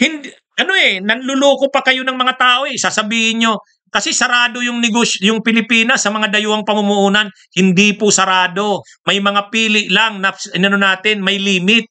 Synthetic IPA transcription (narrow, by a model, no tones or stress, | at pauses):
hɪnd̪ | ʔɐno̞ɛnɐnlʊloːkopɐkɐjo̞nɐŋmɐŋat̪aːʔo̞ʔɛsaːsɐbiːhɪnɲo̞ | kɐsɛsɐɾaːd̪o̞jʊŋnɪɡosjʊŋpɪlɪpiːnɐsːɐmɐŋad̪ɐjʊhɐŋpɐmʊmʊʔuːnɐn | hɪnd̪ipʊsɐɾaːd̪o̞ | mɐjmɐŋapiːlɪʔlaŋnɐɪnɐnonaːt̪ɪnmɐjliːmɪt̪̚